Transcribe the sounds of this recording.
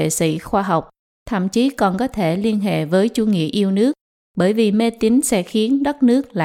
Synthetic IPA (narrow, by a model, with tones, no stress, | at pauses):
ḛ˧˨sḭ˧˩xwaː˧ɦa˨˩wk͡p̚ | t̪ʰə̰˧˨mt͡ɕi˨˦kɔ˨˩nkɔ˨˦t̪ʰe˧˩li˧ənɦḛ˧˨vəː˨˦jt͡ɕu˨˧˦ŋḭ˧˨əʔi˧əwnɨ˦˥ək̚ | ɓəː˧˩jvi˨˩me˧t̪i˨˦ŋsɛ̰˧˥xi˨˦ənɗə˦˥t̚nɨ˦˥ək̚la̰ː˧˨